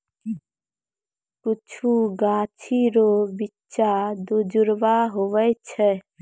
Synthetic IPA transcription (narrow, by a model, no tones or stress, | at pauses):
kʊt͡ʃʰuɡãːt͡ʃʰiɾobitːt͡ʃad̪ud͡ʒʊɾʋaɦoʋət͡ʃʰɛ